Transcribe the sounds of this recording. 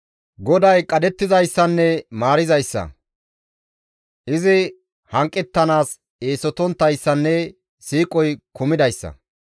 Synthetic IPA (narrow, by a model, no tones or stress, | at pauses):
ɡɔd̪ɐjkʼɐd̪ɛt̪ːɪzɐjsːɐnːɛmaːɾɪzɐjsːɐ̰ | ʔɪzɪ | hɐŋkʼːɛt̪ːɐnaːs | e̞ːsɔt̪ɔnt̪ːɐjsːɐnːɛ | siːkʼɔjkʊmɪd̪ɐjsːɐ̰